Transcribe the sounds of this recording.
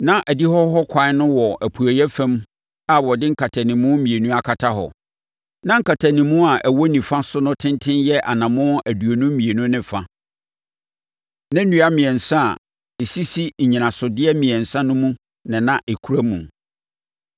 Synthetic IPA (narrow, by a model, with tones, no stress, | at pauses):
nã˦ʔæ˨di˦hɔ˦ɦɔ˦kʷʰa˨˦nʊ̃˦wɔ˨ʔæ˨pʰu˨æ˨jɛ˦fæ̃˦m | a˨wɔ˨dɪ˦ŋ̩˦kʰa˨tʰa˨nɪ̃˨mʊ̃˦mĩ˨e˨nũ˦a˨kʰa˨tʰa˦ɦɔ̰˨ | nã˦ŋ̩˨kʰa˨tʰa˨nĩ˨mũ˦a˨ʔæ˨wɔ˦nĩ˨fã˦sʊ˦nʊ̃˦tʰɪ̃˦ntʰɪ̃˦njɛ˦ʔa̰˨nã˨mʊ̃˦æ˨du˨o˨nũ˦mĩ˨e˨nʊ̃˦nɪ̃˦fa˦ | nã˦nũ˨˦a˦mɪ̃˨ɛ˨n̩˨sã˦˨ | e˨si˦si˦ɲ̩˨ɲĩ˨nã˨sʊ˨dɪ˦ɛ˦mĩ˨ɛ̃˨n̩˨sã˦nʊ̃˦mũ˦ | nɪ̃˨nã˦ʔe˨kʰu˦ɾæ˦mṵ̃˨